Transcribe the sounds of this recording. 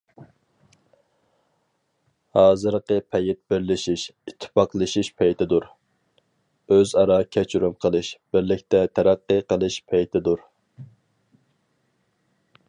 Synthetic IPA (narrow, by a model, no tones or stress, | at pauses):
hɑːzɨɾqəpʰɛjɪt̪̚bɪɾlɪʃiʃit̪ʰːɪ̥pɑqlˠɨʃiʃpʰɛjt̪ʰɪd̪uɾ | øzɑɾɑkʲʰɛt͡ʃʰyɾumqʰəlˠɨʃb̥ɪɾlɪkʲt̪ɛt̪ʰɛɾæqːɨqəlˠɨʃpʰɛjt̪ʰɪd̪uɾ